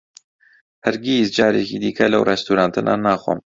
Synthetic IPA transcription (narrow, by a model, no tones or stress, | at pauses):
hæɾɡiːzd͡ʒɑːɾeːkiːd̪iːkʰɛlɐ̰wrɛst̪uɾaːnt̪ʰɨnʔa̰ːnaːxwo̰m